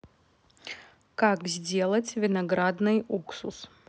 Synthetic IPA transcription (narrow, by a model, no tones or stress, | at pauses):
kakzʲdʲelˠɐt͡sʲvʲɪnɐɡɾad̪nɨjuksus